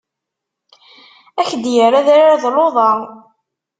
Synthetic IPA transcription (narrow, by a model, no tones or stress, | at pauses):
æçd̪jəɾaðaɾaɾðˤloðˤɑ